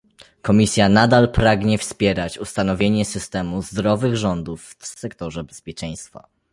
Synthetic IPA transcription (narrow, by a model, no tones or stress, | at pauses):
kɔmʲisʲjanad̪alpɾaɡɲɛfspʲjɛɾat͡ɕust̪an̪ɔvʲjeɲɛsɘst̪ɛmuzd̪ɾɔvɘɣʐɔnd̪ufsɛkt̪ɔʐɛbɛspʲjɛt͡ʂɛ̃j̃st̪fa̰